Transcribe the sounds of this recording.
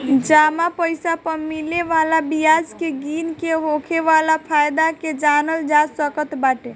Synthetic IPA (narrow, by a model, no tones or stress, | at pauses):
d͡ʒamapəjsapəɾmileʋalabijad͡ʒkeɡinkeɦokʰeʋalapʰajd̪aked͡ʒanəld͡ʒasəkət̪baʈe